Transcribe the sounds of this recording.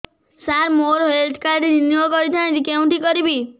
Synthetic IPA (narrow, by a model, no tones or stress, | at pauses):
saɾmoɾɦelʈʰkaɾɖininokɔɾid͡ʒʰãd͡ʒikeũʈikɔɾibi